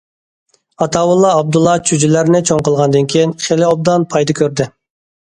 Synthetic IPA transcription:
ɑt̪ʰɑwulˠːɑːb̚d̪ulˠːɑt͡ʃʰyd͡ʒylæɾnɪt͡ʃʰoŋqəlˠʁɑnd̪ɨnkʲʰijinχelɪob̚d̪ɑnpʰɑjd̪ɑkʲʰøɾd̪ɪ

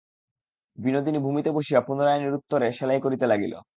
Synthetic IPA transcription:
binod̪inibʱumit̪eboʃiapunoɾajeniɾut̪ːoɾeʃɛlajkoɾit̪elaɡilo̰

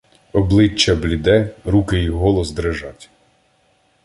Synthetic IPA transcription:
ɔblˠɪt͡ʃːɐblʲɪd̪ɛɾukɪiɦɔlˠɔzd̪ɾeʒɑtʲ

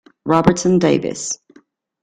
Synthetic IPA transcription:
ɹɑbə˞tsə̃ndeɪvɪ̰s

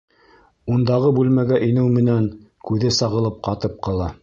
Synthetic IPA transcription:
und̪ɑʁɤbʉlmæɡæʔinɘwmɘ̆næŋ | kʉðɘsɑʁɤ̆lˠɤp̚qɑt̪ɤp̚qɤ̆lˠɑ

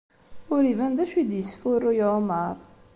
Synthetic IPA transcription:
ʊɾivænd̪æʃid̪jəsfʊɾːʊjməɾˤ

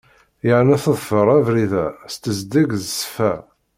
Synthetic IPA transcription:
jʕnæθəðˤfəɾˤævɾiðæst̪əzd̪əɡzsfæ

